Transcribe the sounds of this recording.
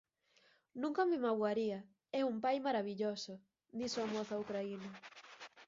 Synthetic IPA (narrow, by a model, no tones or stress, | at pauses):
nũŋkɐmɪmaɣwaɾiɐ | ɛumpajmaɾaβiʎosʊ | d̪isoamoθaukɾainɐ